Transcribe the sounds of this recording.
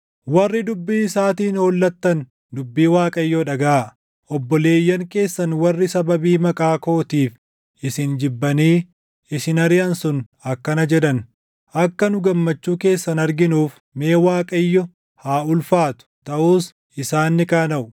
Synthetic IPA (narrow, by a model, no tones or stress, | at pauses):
wɐrːɪd̪ʊbːiːsaːt̪iːnoːlːɐt̪ːɐn | d̪ʊbːiːwaːkʼɐjːɔᶑɐɡaː | ʔɔbːɔle̞ːjːɐŋke̞ːsːɐnwɐrːɪsɐbɐbiːmɐkʼaːkoːt̪iːf | ɪsɪnd͡ʒɪbːɐniː | ɪsɪnɐɾɪʔɐnsʊn | ɐkːɐnɐd͡ʒɛᶑɐn | ʔɐkːɐnʊɡɐmːɐt͡ʃːuːke̞ːsːɐnɐɾɡɪnuːf | me̞ːwaːkʼɐjːɔ | haːʊlfaːt̪ʊ̥t̪ɐʔuːs | ɪsaːnːɪkaːnɐʔʊ